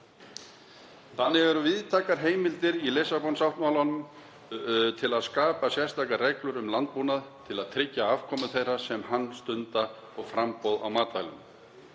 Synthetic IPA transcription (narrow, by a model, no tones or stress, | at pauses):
θanːɪvɛɾʏvɪðt̪ʰaːkaɾɦeːjmɪlt̪ɪɾilɪsapɔnsawht̪mawlanʏm | t̪ʰɪlaðskaːpasjɛ̥st̪akarɛklʏɾʏmlant̪̚puːnaðt̪ʰɪlaðt̪ʰɾɪcːaav̥kʰɔːmʏθejraɾ̥sɛmhanːst̪ʏnt̪a | ɔɣfɾampɔwða̰wmaːt̪ajlʏm